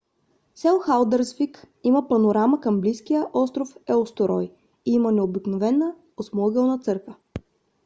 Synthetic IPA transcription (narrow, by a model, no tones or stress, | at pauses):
sɛlˠxalˠd̪əɾzvik | iməpɐnoɾaməkəmbliskijəʔɔst̪ɾofɛost̪oɾɔj | iimənɛobiknovɛnːə | osmɔɡɛlˠnət̪sɤɾkvə